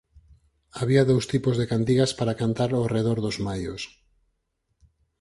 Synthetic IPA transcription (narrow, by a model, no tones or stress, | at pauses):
aβiaðowst̪ipozðekant̪iɣaspaɾakant̪aɾoreð̞oɾðozmajo̰s